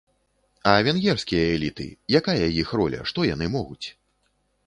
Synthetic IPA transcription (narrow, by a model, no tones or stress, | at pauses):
ɐvʲɛnɣʲɛrsʲkʲijɐɛlʲit̪ɨ̰jakajɐjixrɔlʲɐ̰ʂt̪ɔjan̪ɨmɔɣut͡sʲ